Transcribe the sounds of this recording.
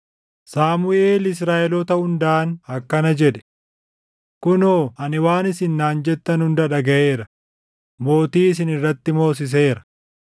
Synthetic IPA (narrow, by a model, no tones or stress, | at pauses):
saːmʊʔeːlɪs̬ɾaːʔɛlɔt̪ɐhʊnd̪aːnɐkːɐnɐd͡ʒɛᶑɛ̥ | kʊnoːɐnɪwaːnɪsɪnːaːnd͡ʒɛt̪ːɐnhʊnd̪ɐᶑɐɡɐʔe̞ːɾɐ | mo̞ːt̪iːɪs̬ɪnɪrːɐt̪ːɪmo̞ːs̬ɪs̬eːɾɐ̥